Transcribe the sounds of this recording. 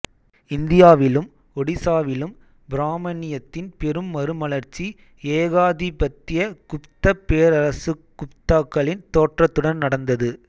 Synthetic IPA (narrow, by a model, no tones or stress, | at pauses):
ɪnd̪ɪjaːʋɪlɯm | ɔɽɪsaːʋɪlɯm | bɪɾaːmɐnɪjɐt̪ːɪnpɛɾɯmːɐɾɯmɐlɐɾt͡ʃːi | eːɣaːðipɐt̪ːɪjɐkʊpt̪ɐpːeːɾɐɾɐsɯkːʊpt̪aːkːɐɭɪnt̪oːʈrɐt̪ːɯɽɐnnɐɽɐnd̪ɐðɯ